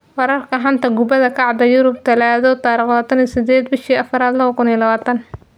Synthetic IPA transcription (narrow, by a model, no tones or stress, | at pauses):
wɐɾɐrkʰɐɦant̪ʰɐɡʊbɐðɐkʰɑʕd̪ɐjʊɾʊb̚t̪ʰɐlaːðɔt̪aːɾiχɔːt̪ʰɐnisɪd̪ɛːd̪bɪʃiːɐfɐɾaːd̪lɐβɐkʰʊniɛlɐβaːt̪ʰɐn